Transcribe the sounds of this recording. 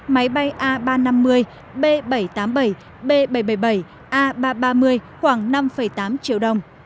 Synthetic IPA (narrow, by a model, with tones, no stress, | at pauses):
ma˨˦jɓa˧jʔaː˧ɓaː˧na˧mːɨ˧əj | ɓe˧ɓə˧˩jt̪aː˨˦mɓə˧˩j | ɓe˧ɓə˧˩jɓə˧˩jɓə˧˩j | ʔaː˧ɓaː˧ɓaː˧mɨ˧əjxwaː˧˩ŋna˧mfə˧˩jt̪aː˨˦mt͡ɕi˧˦əwɗə˧˩wŋ͡m